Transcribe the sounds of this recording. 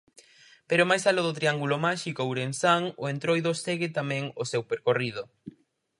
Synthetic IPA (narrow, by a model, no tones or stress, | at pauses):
peɾomajsaloðot̪ɾiaŋɡulomaʃikowɾensaŋoent̪ɾojðoseɣɪt̪amɛ̃ŋosewpeɾkorið̞o